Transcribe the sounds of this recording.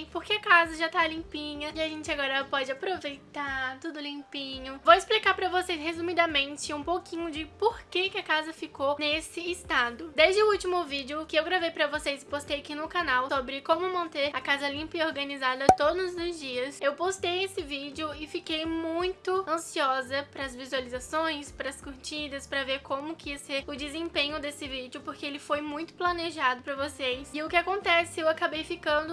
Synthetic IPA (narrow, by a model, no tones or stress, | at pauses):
j̃poɾkeɐkazɐʒat̪alĩpĩɲɐiaʒẽnt͡ʃɪaɡɔɾɐpɔd͡ʒɪapɾovejt̪at̪ud̪ʊlĩpĩɲʊvowɪsplikaɾpɾɐvosejshezumid̪ɐmẽnt͡ʃɪũpowkĩɲʊd͡ʒɪpoɾkekɪɐkazɐfikonesɪːst̪ad̪ʊd̪ezd͡ʒɪʊuwt͡ʃimʊvid͡ʒɪʊkɪewɡɾavejpɾɐvosejzɪ̥post̪ejakinʊkanawsobɾɪkõmʊmɐ̃nt̪eɾɐkazɐlĩmpɐioɾɡɐnizad̪ɐt̪od̪ʊzʊzd͡ʒiɐsewpost̪ejesɪvid͡ʒɪʊɪfikejmũj̃t̪ʊɐ̃siɔzɐpɾɐzvizualizasõj̃spɾɐskʊɾt͡ʃid̪ɐspɾɐveɾkõmʊkɪiɐseɾʊd͡ʒɪzẽpẽɲʊd̪esɪvid͡ʒɪʊpoɾkeelɪfojmũj̃t̪ʊ̥plɐneʒad̪ʊpɾɐvosejsɪʊkɪakõnt̪ɛsɪewakabejfikɐ̃nd̪ʊ